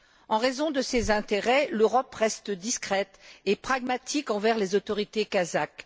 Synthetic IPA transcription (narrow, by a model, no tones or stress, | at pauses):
ɑ̃ʁezɔ̃d̪əsezɛ̃t̪eʁɛløʁɔpʁɛst̪əd̪iskχɛt̪epχaɡmat̪ʰikɑ̃vɛʁlezot̪ɔʁit̪ekazak